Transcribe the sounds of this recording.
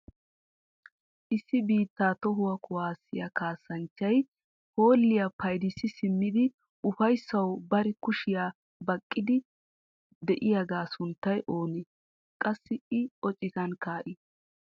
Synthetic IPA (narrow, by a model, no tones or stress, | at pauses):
ʔɪsːɪbiːt̪ːaːt̪ɔɦʊwɐkʰʊwaːsːɪjɐkaːsːɐnt͡ʃːɐj | ho̞ːlːɪjapɐjd̪ɪsːɪsɪmːɪd̪ɪ | ʔʊfɐjsːɐwbɐɾɪkʊʃɪjaː | bɐkʼːɪd̪ɪ | d̪ɛʔɪjaɡaːsʊnt̪ːɐjʔo̞ːneː | kʼɐsːɪɪɔt͡ʃʼɪzɐnkaːʔɪ